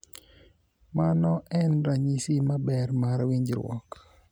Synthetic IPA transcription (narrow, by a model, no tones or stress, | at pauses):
manɔʔɛnɾaɲisimabɛrmaɾwiɲd͡ʒɾwɔ̰k